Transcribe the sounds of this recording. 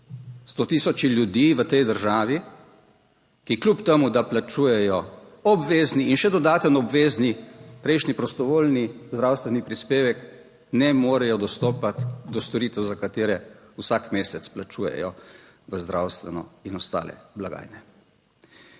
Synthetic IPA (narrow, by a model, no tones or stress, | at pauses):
st̪ot̪isɔt͡ʃiljud̪iːʋət̪ɛjd̪əɾʒaːʋi | kiklʲupt̪ɛmud̪aplat͡ʃuːjɛjɔɔbʋeːzniːnʃɛd̪ɔd̪aːt̪ənɔbʋeːznipɾɛjʃnipɾɔst̪ɔʋoːlnizd̪ɾawst̪ʋɛnipɾispeːʋɛk | nɛmoːɾɛjɔd̪ɔst̪oːpat̪d̪ɔst̪ɔɾiːt̪ɛwzakat̪eːɾɛ | wsakmeːsɛt̪splat͡ʃuːjɛ̰jɔ | ʋəzd̪ɾa̰wst̪ʋɛnɔ̰inɔst̪a̰ːlɛ̰blaɡa̰ːjnɛ